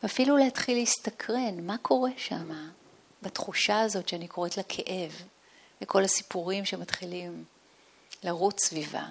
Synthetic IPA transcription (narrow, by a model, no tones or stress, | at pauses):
veafilulehatχileistakʰʁe̞nmakʰo̞ʁe̞ʃama | batχuʃaazo̞tʃeanikʰo̞ʁetlakʰeʔe̞v | beko̞lasi̥puʁimʃe̞matχilim | laʁut͡ssviva̰